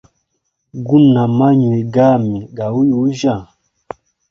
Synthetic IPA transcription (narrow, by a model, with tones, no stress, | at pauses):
ɡu˦na˨ma˦ɲwe˨ɡa˦˨mi˨ɡa˨u˦jo˨˦ʒa˦˨